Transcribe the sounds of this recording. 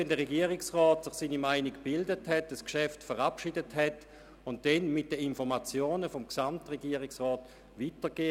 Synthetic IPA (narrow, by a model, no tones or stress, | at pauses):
ɛndəʁeɡiəʁɪksʁɔːtsɪχsiːnimaɪnikb̥ɪldəthɛtəskʃɛftfəʁapʃiːdəthɛt | ʊnt̚d̥ɛnmɪt̚d̥əinfɔʁmat͡sjoːnəfomksamtʁeɡiːəʁɪksʁɔːt | ʋitəɡ̥eː